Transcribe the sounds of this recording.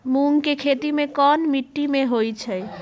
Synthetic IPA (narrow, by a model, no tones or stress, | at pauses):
muŋkekʰet̪imekɔnmiʈːimeɦojt͡ʃʰɛj